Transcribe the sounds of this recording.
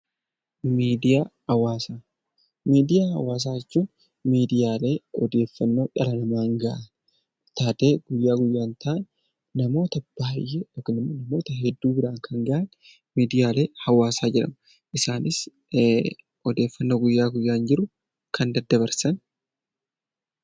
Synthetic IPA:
miːd̪ɪjaː | ɐwaːsaː | miːd̪ɪjaːhɐ̰waːs̬aːjɛt͡ʃːuːn | miːd̪ɪjaːle̞ːɔd̪e̞ːfːɐnːo̞ːᶑɐlɐnɐmaːŋɡɐʔɐn | t̪aːt̪e̞ːɡ̥ʊjːaːɡʊjːaːnt̪ɐʔnː | ɐmo̞ːt̪ɐb̥aːjːɛɔknɪmːonɐmo̞ːt̪ɐɦɛd̪ːuːbɪɾaːŋkʰɐŋɡɐʔɐn | miːd̪ɪjaːle̞ːhɐwaːsaːd͡ʒɛᶑɐ̰mɐ | ʔɪsaːnɪs | ɔd̪e̞ːfːɐnːo̞ːɡʊjːaːɡʊjːaːnd͡ʒɪɾʊ | kʰɐnd̪ɐd̪ːɐβɐɾsɐn

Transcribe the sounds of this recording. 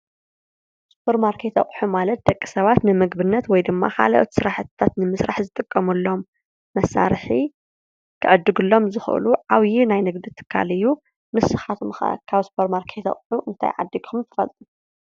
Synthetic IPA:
su̥pʰɐɾmaɾkʰet̪ʰɐ̰χʼħumalɐt̪̚d̪ɐkʼːi̥sɐβat̪nɨmɨɡbɨnːɐt̪wɔjd̪ɨmːa̰kʰa̰laʔo̰t̪sɨɾaħɨt̪t̪ʰːat̪nɨmɨsɾaħzɨt̪ʼɨkʼːɐmulːo̞mː | ɐsːa̰ɾħi | kʰɨʔɨd̪ːɨɡɨlːo̞mzɨxʔɨ̰luʕawjinajnɨɡd̪ɨt̪ʰːɨ̥kʰːa̰lɨjːu | mɨsɨxat̪ʰkʰaβsu̥pʰɐɾmaɾkʰet̪ɐ̰χʼħuʔɨnt̪ʰa̰jʕa̰d̪ːikʰumt̪ʰɨ̥fɐ̰lt̪ʼu

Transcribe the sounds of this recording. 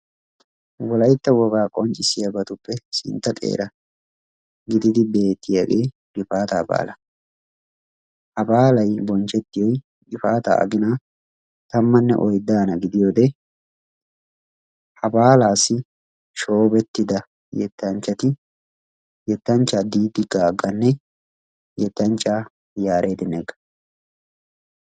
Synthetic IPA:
wɔlɐjt̪ːɐwɔɡaːkʼɔnt͡ʃʼɪsɪjɐbɐt̪ʊpːɛsɪ̰nt̪ːɐt̪ʼḛːɾɐ | ɡɪd̪ɪd̪ɪbe̞ːt̪ːɪjaɡeː | ɡɪfaːt̪aːba̰ːlɐ | hɐbaːlɐjbɔnt͡ʃɛt̪ːɪjɔj | ɡɪfaːt̪ɐ̰ːɐ̰ɡɪna | t̪ɐmːɐnːɛ̰ʔɔjd̪aːnɐɡɪd̪ɪjo̞ːd̪ɛ | hɐbaːlaːsːɪ | ʃo̞ːbɛt̪ːɪd̪ɐ | jɛt̪ːɐnt͡ʃːɐt̪ɪ | jɛt̪ːɐnt͡ʃːad̪iːd̪ɪɡaːɡːɐnːɛ | jɛt̪ːɐnt͡ʃʼːaː | jaːɾʔe̞ːd̪ɪnɛɡɐ̥

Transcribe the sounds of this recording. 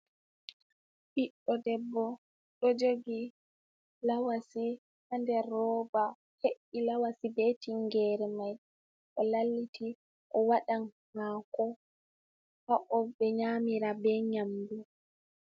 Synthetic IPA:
ɓiɗːɔdɛbːɔ | ɗɔd͡ʒoɡi | lawasi | handɛrːɔːba | heʔilawasibetiŋɡɛɾɛmaj | ɗɔlalːitʰi | ʔɔwaɗan | makɔ | haʔɔbɛɲamiɾabɛɲamdu

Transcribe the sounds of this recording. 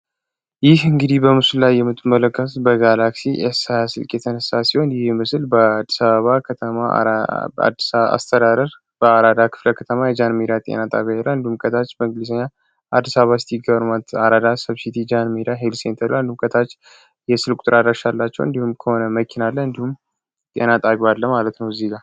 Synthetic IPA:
jɪhɨŋɡɨd̪ihbəmɨsulːajːɛmːɨt̪ʰʼːɨmːələkːət̪bəɡalaksiʔesasɨlkʼjɛt̪ʰənəsasiho̞njɪhmɨsɨlbəd̪ːisaβəβakʰət̪ʰəma̰ | a̰st̪ʰəd̪ad̪əɾ | b̥əaɾad̪akʰɨ̥fləkʰət̪ʰəmajɛd͡ʒanmiɾat̪ʼḛnat̪ʼaβjajelːaɨnd̪ihumkʰət̪ʰat͡ʃːbəɨŋɡɨlisəɲːa | ad̪ːisaβəβast̪ʰiɡəβɾmat̪ʰaɾad̪asəβsit̪ʰid͡ʒanmiɾaɦelsent̪ʰəβland̪ihumkʰʼət̪ʰat͡ʃː | jɛsɨlkʷʼut̪ʼɾad̪ɾaʃalːat͡ʃːɛwɨnd̪ihumkʰəho̞nəməkʰinalːəɨnd̪ihum | t̪ʼe̞̰nat̪ʼaβalːəmalət̪nəwzeɡa

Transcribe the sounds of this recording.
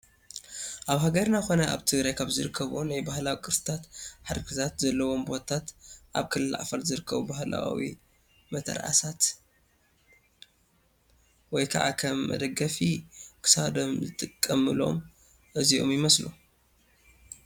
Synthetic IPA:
ʔaβɦaɡɐɾnaxo̞nɐʔa̰βt̪ʰɨɡɾajkʰaβzɨɾɨkʰːɐβonajbahlawikʼɨɾsɨ̥t̪ʰat̪ħaɾɨkʰɨt̪ʰat̪zɐlːɐwo̞mbo̞t̪ʰat̪ʔa̰βkʰɨlɨlːa̰ʕfɐɾzɨɾɨkːɐβubahla̰wḭ | mɐt̪ʰɐ̰ɾʕa̰sat̪ | wɔjkʰaʕa̰kʰɐmːɐ̰d̪ɐɡɐfikʰɨ̥sad̪omzɨt̪ʼɨkʼːɐmɨlo̞̰m | ʔɨziʔo̰mjɪmɐslṵ

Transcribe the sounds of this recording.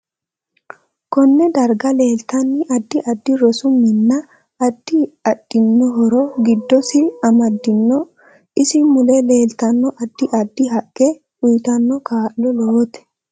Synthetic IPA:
kɔnːɛd̪ɐɾɡɐle̞ːlt̪ɐnːɪʔɐd̪ːɪʔɐd̪ːɪɾɔsʊmːɪnːɐ | ɐd̪̥ːɪɐtʼːɪnːɔɦɔɾɔɡɪd̪ːɔsɪɐmɐd̪ːɪnːɔ | ɪsɪmʊlɛle̞ːlt̪ɐnːɔʔɐd̪ːɪʔɐd̪ːɪɦɐkʼːɛ | ʊjt̪ɐnːɔkaːʔlɔloːt̪ɛ̥

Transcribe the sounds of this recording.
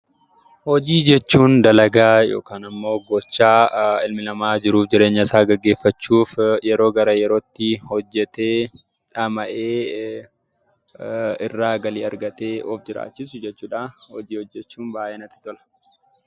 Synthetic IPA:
hɔd͡ʒiːd͡ʒɛt͡ʃːuːnd̪ɐlɐɡaːjo̞̰ːkaːnɐmːo̞ːɡɔt͡ʃːaːɪlmɪnɐmaːd͡ʒɪɾuːfd͡ʒɪɾe̞ːɲːɐɪsaːɡɐɡːe̞ːfːɐt͡ʃːuːfjɛɾo̞ːɡɐɾɐjɛɾoːt̪ːɪhɔd͡ʒːɛt̪eː | ᶑɐmɐʔeː | ɪrːaːɡɐliːɐɾɡɐt̪eːɔfd͡ʒɪɾa̰ːt͡ʃːɪsʊd͡ʒɛt͡ʃːuːᶑahɔd͡ʒiːhɔd͡ʒːɛt͡ʃːuːnbaːʔeːnɐt̪ːɪ̥t̪ɔlɐ̥

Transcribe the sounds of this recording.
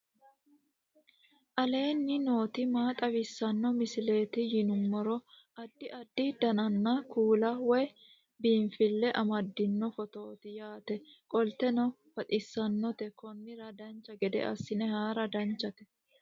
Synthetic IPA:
ʔɐle̞ːnːɪno̞ːt̪ɪmaːt̪ʼɐwɪsːɐnːɔmɪsɪle̞ːt̪ɪjɪnʊmːɔɾɔ | ʔɐd̪ːɪʔɐd̪ːɪd̪ɐnɐnːɐkʰuːlɐwɛ | biːɱfɪlːɛʔɐmɐd̪ːɪnːɔfɔt̪o̞ːt̪ɪjaːt̪ɛkʼɔlt̪ɛnɔ | fɐt̪ʼɪsːɐnːɔt̪ɛkɔnːɪɾɐd̪ɐnt͡ʃːɐɡɛd̪ɛ̰ʔɐ̰sːɪnɛhaːɾɐd̪ɐnt͡ʃːɐt̪ɛ̥

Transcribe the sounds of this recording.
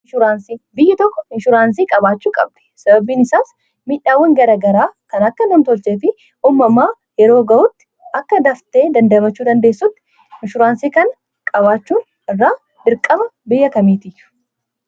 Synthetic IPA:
ʃʊɾaːnsiːbɪjːɪt̪ɔkːɔɪʃʊɾaːns̬iːkʼɐbaːt͡ʃːuːkʼɐ̰b̚d̪̥ɛ̥sɐbɐbiːnɪsaːs | miᶑːaːwːɐŋɡɐɾaːɡɐɾaːkɐnɐkːɐnɔːnt̪ɔlt͡ʃeːfɪ | uːmːɐmːaː | jɛɾo̞ːɡɐʔʊt̪ːɪ̥ | ɐkːɐd̪ɐft̪e̞ːd̪ɐnd̪ɐbɐt͡ʃːuːd̪ɐnd̪e̞ːsːʊt̪ːɪ̥ | mɪʃʊɾaːnsiːkɐn | kʼɐβaːt͡ʃːuːn | ɪrːaː | d̪ɪɾkʼːɐbɐbɪjːɐkɐmiːt̪ɪjːʊ̥

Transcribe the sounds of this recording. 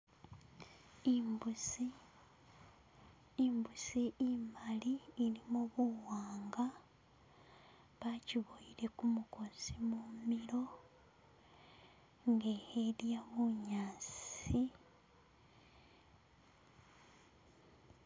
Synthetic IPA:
mbusi | mbusiimaliːlimuβuwaːŋɡa | βaciβoiɾe̞kumuko̞simumiɾo̞ | ŋɡe̞heɾjaβuɲaːsi

